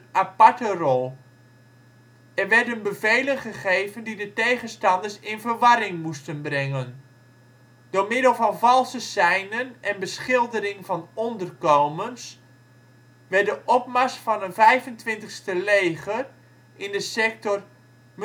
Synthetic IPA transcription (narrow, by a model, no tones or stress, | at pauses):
apaɹtərɔlˠ | ɛrʋɛdənbəvejlənχəχejvəndidətejχənstɑndəsɪnvəɹʋɑɾɪŋmustənbrɛŋən | d̥ʊɹmɪdəlˠvɑnvɑlˠsəsɛjnənʔɛnbəsχɪlˠdəɾɪŋvɑnɔndərkowməns | ʋɛdəʔɔp̚masfɑnənvɛjvəntʋɪntəχstəlejχər | ʔɪndəsɛk̚tɔr | m